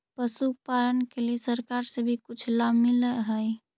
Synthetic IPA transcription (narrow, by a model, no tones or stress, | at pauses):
pəsuk̚paɾənkelesəɾkaɾsebʱikut͡ʃʰlamiləɦəj